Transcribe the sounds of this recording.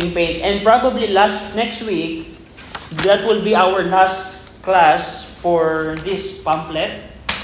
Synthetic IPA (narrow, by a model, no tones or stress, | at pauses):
ɪ̃ŋpẽjnt̪ɛ̃nd̪̚pɹabablilast̪nɛkst̪wik̚ | d̪at̪̚wɪlbiawəɹlast̪ | klasfɔɹd̪ɪspãmplɛt̪̚